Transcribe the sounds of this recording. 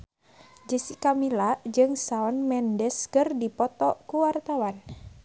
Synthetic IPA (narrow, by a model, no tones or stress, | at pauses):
d͡ʒisikamilad͡ʒɨŋsaɔnmɛndɛskɨrdipɔt̪ɔkuwart̪awan